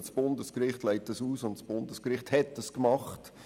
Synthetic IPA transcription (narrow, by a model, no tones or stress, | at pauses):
sb̥ʊndəskɾɪχtlaɪt̚ːɑsuːsʊntsb̥ʊndəskɾɪχthɛtːəskmɑχt